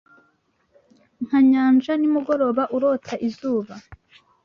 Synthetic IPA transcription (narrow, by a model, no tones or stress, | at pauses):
ŋ̥haɲaːnd͡ʒanimuɡo̞ɾo̞βaʔuɾo̞tʰaʔizuːβa